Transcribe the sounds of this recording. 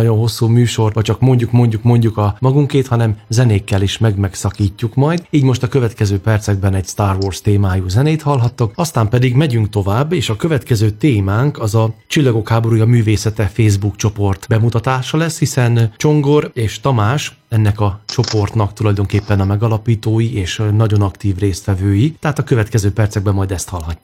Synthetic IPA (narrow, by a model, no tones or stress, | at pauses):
ɒɟo̞nɦo̞sːuːmyːʃo̞rɒct͡ʃɒkmo̞ɲɟukmo̞ɲɟukmo̞ɲɟukɒmɒɡuŋkeːt̪hɒnɛmzɛneːkːɛleːʃmɛɡmɛksɒkiːcːukmɒjd̪iːɟmoʃt̪ɒkø̞vɛt̪kɛzøːpɛrt̪sɛɡ̚bɛnɛɟst̪aːrvoːrst̪eːmaːjuːzɛneːt̪hɒlɦɒt̪ːokɒst̪aːmpɛd̪iɡmɛɟyŋk̚t̪o̞vaːbːeːʃɒkøvɛt̪kɛzøːt̪eːmaːŋkɒzɒt͡ʃilːɒɡo̞khaːbo̞ɾuːjɒmyːveːsɛt̪ɛfeːzbukt͡ʃo̞po̞rt̪bɛmut̪ɒt̪aːʃɒlɛshisɛnt͡ʃo̞ŋɡo̞ɾeːʃt̪ɒmaːʃ | ɛnːɛkɒt͡ʃo̞po̞rt̪nɒkt̪ulɒjd̪o̞ŋkeːpːɛnɒmɛɡɒlɒpiːt̪oːjiʔeːʃnɒɟo̞nɒkt̪iːvreːst̪ʋɛvøːjit̪ɛɦaːt̪ɒkø̞vɛt̪kɛzøːpɛrt̪sɛɡ̚bɛmːɒjd̪ɛst̪hɒlɦɒcːu